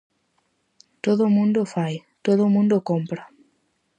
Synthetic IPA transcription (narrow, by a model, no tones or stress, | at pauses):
t̪oðomũnd̪ofajt̪oðʊmũnd̪okompɾa